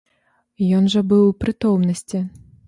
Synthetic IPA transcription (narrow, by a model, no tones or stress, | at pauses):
jɔnʐɐbɨwpɾɨt̪ɔwmnɐsʲt͡sʲi